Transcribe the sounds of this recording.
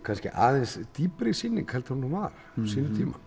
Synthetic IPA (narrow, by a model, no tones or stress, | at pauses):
kʰanscɪ̰ʔa̰ːðɛnsd̪iːpɾɪsinːɪŋkhɛlt̪hunhɔmaːl | siːnʏt̪ʰiːma̰